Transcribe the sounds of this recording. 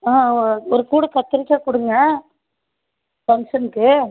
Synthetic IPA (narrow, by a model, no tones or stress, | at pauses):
aːɔɾɯkuːɽɐkɐt̪ːɪɾɪkːɐkʊɽɯŋɡɐ | fɐŋʂɐnɯkːɯ